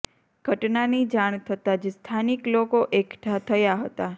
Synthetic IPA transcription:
ɡ̥ʱəʈnanid͡ʒaɳ̃t̪ʰət̪ad͡ʒest̪ʰaniklokoʔekʈʰat̪ʰəjaɦət̪a

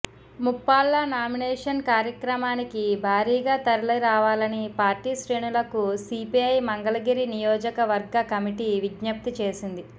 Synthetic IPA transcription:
mupːaːlːɐnaːminɛːʂɐnkaːɾjɐkɾɐmaːnikibʱaːɾiːɡaːt̪ɐɾɐlɐɾaːʋaːlɐnipaːɾʈiːʃɾe̞ːɳulɐkusipiɐjmɐŋɡɐlɐɡiɾinijɔːd͡ʒɐkɐʋɐɾɡɐkɐmiʈiʋiɡɲɐp̚t̪it͡ʃe̞ːsind̪i

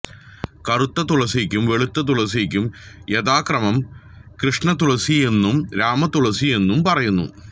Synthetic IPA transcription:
kɐrut̪ːɐt̪uɭɐsikʲːumʋe̞ɭut̪ːɐt̪̬uɭɐsikʲːumjeðaːkrɐmɐmkrɨʂɳɐt̪uɭɐsie̞nːumɾaːmɐt̪uɭɐsije̞nːumpɐrɐjunːṵ

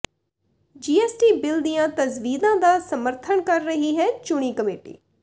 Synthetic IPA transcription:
d͡ʒiːɛːsʈiːbɪld̪ijãːt̪əzʋiːd̪ãːd̪aːsəməɾt̪ʰəɳkəɾːəɦiːɦɛːt͡ʃʊɽ̃iːkəmeːʈḭː

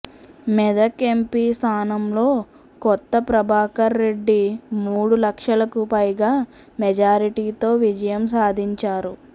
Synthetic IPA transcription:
mɛd̪ɐkempiːst̪ʰaːnɐmlo̞ː | kɔt̪ːɐpɾɐbʱaːkɐɾːe̞ɖːimuːɽulɐkʂɐlɐkupɐjɡaː | mɛd͡ʒaːɾiʈiːt̪o̞ːʋid͡ʒɐjɐmsaːd̪ʱiɲt͡ʃaːɾu

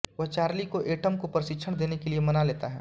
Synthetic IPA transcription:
ʋɐɦt͡ʃaːɾlikoʔeːʈəmkopɾəʃɪkːʃʰəɽ̃d̪eːnekeliemɐnaleːt̪a̰ɦɛ̰ː

